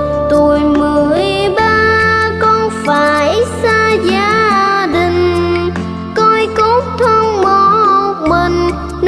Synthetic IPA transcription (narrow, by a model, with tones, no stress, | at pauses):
t̪u˨˩jmɨ˨˩əəjɓaː˧kɔ˧nfaː˧˨˦jsaː˧zaː˧ɗï˨˩ŋ̟ | kɔ˧jko˦˥t̚t̪ʰə˧ŋ͡mɓɔ˧˩˨mə˧˩n | n